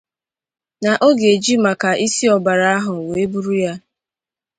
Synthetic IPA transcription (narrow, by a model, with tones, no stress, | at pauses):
na˨ʔo˦ɡe˨d͡ʒi˦ma˨ka˨ʔi˦si˦ɔ˨ba˨ɾa˦a˦ɦʊ˨we˨e˦bu˦ɾu˦ja˦